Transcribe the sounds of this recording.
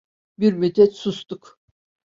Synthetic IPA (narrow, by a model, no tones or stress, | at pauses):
biɾmyt̪ʰɛt̪sust̪uk